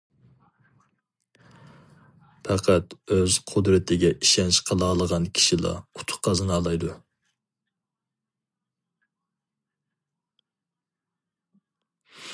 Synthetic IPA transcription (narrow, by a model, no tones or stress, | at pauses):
pʰæqʰæt̪øz̥qʰʊd̪ɾɪt̪ʰɪɡʲɛʔiʃɛnʃqʰəlˠɑːlˠəʁɑnkʲʰi̥ʃilˠɑ̰u̥t̪ʰʊ̥χqɑzɨnɑːlˠɑjd̪u